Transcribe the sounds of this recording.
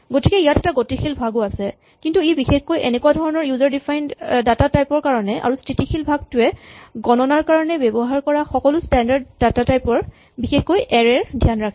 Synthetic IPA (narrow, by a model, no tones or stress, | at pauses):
ɡotikɛijatɛtaɡotixʰilbʱaɡʊasɛ | kintuebixexkojenɛkuwadʱɔɹɔnɔɹjuzaɹdifʰajndatatajpɔɹkaɹɔnɛʔa̰ɹustɹitixilbʱaɡ̚tʊɛɡɔnɔnaɹkaɹɔnɛbɛbɔɦaɹkɔɹaxɔkɔlʊstɛndaɹdːatatajpɔɹ | bixexkojʔɛɹɛɹdʱjanɹakʰi